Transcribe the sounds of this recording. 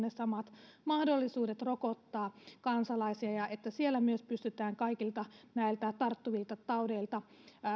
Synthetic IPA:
nesɑmɑt̪mɑhdolːisuːdet̪rokot̪ːɑːkɑnsɑlɑisiɑjɑʔet̪ːæsielːæmyøspyst̪yt̪æːŋkɑikilt̪ɑnæilt̪æt̪ɑrt̪ːuʋilt̪ɑt̪ɑudeilt̪ɑ

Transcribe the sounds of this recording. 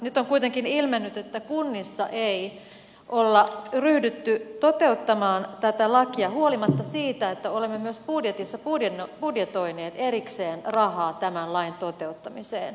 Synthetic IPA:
nyt̪ːˑoŋkujt̪eŋkinilmenːyt̪et̪ːækunːisːɑʔei | ʔolːɑryhdyt̪ːyt̪ot̪e̞ut̪ːɑmɑːnt̪æt̪ælɑkiɑhuolimɑt̪ːɑsiːt̪æet̪ːæolemːemyøspudjet̪isːɑpudjenpudjet̪o̞ineːt̪eɾikseːnrɑhɑːt̪æmænlɑint̪ot̪e̞ut̪ːɑmisḛːn

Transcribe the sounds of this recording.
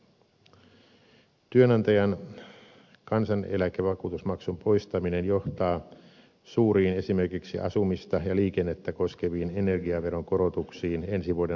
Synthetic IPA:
t̪yønɑnt̪ɑjɑn | kɑnsɑne̞̰lækeʋɑkuːt̪usmɑksumpo̞jst̪ɑmine̞njo̞ht̪ɑː | suːɾiːne̞sime̞rkiksḭʔɑ̰sumist̪ɑjɑliːkenːet̪ːæko̞skeʋiːnene̞rɡiɑʋe̞ɾoŋko̞ɾo̞t̪uksiːne̞nsiʋuode

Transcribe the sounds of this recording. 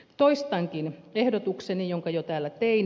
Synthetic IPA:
t̪oist̪ɑŋkinehdot̪uksenijoŋkɑjot̪æːlːæt̪ein

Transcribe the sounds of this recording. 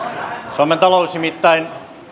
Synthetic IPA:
sooment̪ɑlousnimit̪ːɑin

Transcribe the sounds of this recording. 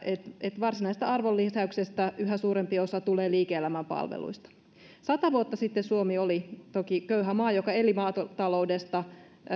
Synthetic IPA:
et̪et̪ʋɑrsinɑise̥st̪æɑrʋolːisæyksest̪æʔyɦæsuːɾempio̞sɑt̪uleːliːkeelæmæmpɑ̰lʋḛlṵist̪ɑ̥ | sɑt̪ɑʋuot̪ːɑsit̪ːesuomiolit̪okikøyɦæmɑːjokɑe̞limɑːt̪ot̪ɑlo̞wdest̪ɑ

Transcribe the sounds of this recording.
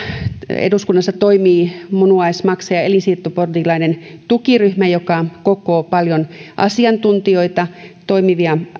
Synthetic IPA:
ḛduskunːɑsːɑt̪oimiːmunuɑismɑksejɑelisirt̪ːuport̪ilɑinent̪ukiryhmæjokɑkokoːpɑljonʔɑ̰siɑnt̪unt̪ioit̪ɑt̪oimiʋiɑ

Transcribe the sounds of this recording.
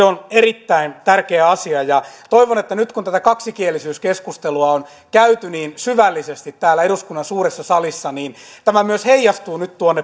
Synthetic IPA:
eonerit̪ːæint̪ærkeːɑsiɑjɑt̪oiʋonet̪ːænyt̪kunt̪æt̪ækɑksikielːˑisyːskeskust̪eluɑon | kæyt̪yniːnsyʋælːisest̪it̪t̪æːlːæeɾuskunːɑnsuːresːɑsɑlisːɑniːnt̪æmæmyøsheijːɑst̪uːnyt̪t̪uonːe

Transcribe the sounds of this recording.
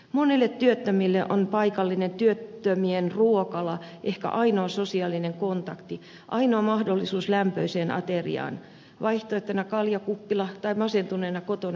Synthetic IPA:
monilːet̪t̪yøt̪ːømilːeʔonpɑikɑlːinent̪yøt̪ːømienruokɑlɑʔehkæ̰ʔɑinoɑsosiɑlːineŋkont̪ɑkt̪i | ʔɑinoɑmɑhdolːisuːslæmpøiseːnʔɑ̰t̪erḭɑ̰ːn | ʋʔɑiht̪oet̪ːønɑkɑljɑkupːilɑt̪ɑimɑsent̪uneːnɑkot̪onɑ

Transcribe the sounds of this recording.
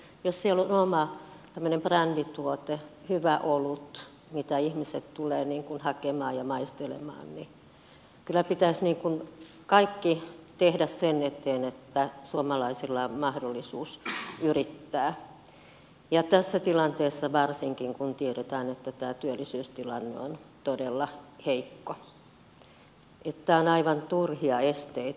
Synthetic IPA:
jossielonomɑt̪æmːønemprændit̪uot̪ehyʋæʔolut̪ | mit̪æihmiset̪t̪uleːniːŋkunhɑkemɑːjjɑmɑist̪elḛmɑ̰ːnni | kylːˑæpit̪æisniːŋkun | kɑikːit̪ehdæssenet̪eːnet̪ːæsuomɑlɑisilːɑmɑhdolːisuːsyrit̪ːæː | jɑt̪æsːæt̪ilɑnt̪eːsːɑʋɑrsiŋkiŋkunt̪ieɾet̪æːnet̪ːæt̪æːt̪yølːisyːst̪ilɑnːḛont̪odelːɑheikːo | ʔet̪ːæonɑiʋɑnt̪urhiɑest̪eit̪

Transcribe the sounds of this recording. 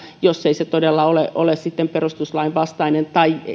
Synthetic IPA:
josːeiset̪odelːɑoleʔolessit̪ːemperust̪uslɑiʋʋɑst̪ɑinent̪ɑi

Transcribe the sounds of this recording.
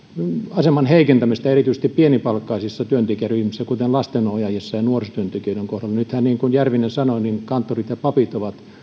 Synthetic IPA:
ɑsemɑnheikent̪æmist̪ɑerit̪yise̥st̪ippienipɑlkːɑisisːɑt̪yønt̪ekiæryhmisːækut̪enlɑst̪enojɑjesːɑjɑnuorsot̪yønt̪ekiøˑyɾeŋkohdɑlːɑnyt̪hænniːŋkunjærʋinensɑnoninkɑnt̪ːorit̪jɑpɑpit̪oʋɑt̪

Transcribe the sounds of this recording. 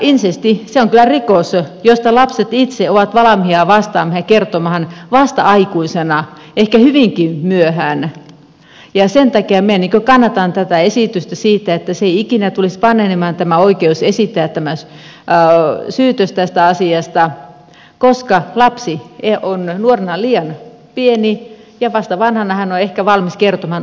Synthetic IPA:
insest̪iseoŋkylˑærikosjost̪ɑlɑpset̪it̪seoʋɑt̪ʋɑlɑmhiɑʋɑst̪ɑːmɑhjɑkert̪omɑhɑnʋɑst̪ɑ̰ɑikuisenɑ | ehkæhyʋiŋkimyøhæːn | jɑsent̪ɑkiɑmiæniːŋkøkɑnːɑt̪ɑnt̪æt̪æesit̪yst̪æsiːt̪ːæet̪ːæseikinæt̪ulispɑnenemɑnt̪æmæoikeusesit̪ːæːt̪t̪ːæmæs | syːt̪øst̪æst̪æɑsiɑst̪ɑ | koskɑlɑpsieonnuorenɑliːɑn | pieni | jɑʋɑst̪ɑʋɑnhɑnɑhænoehkæʋɑlmiskert̪omɑhɑn

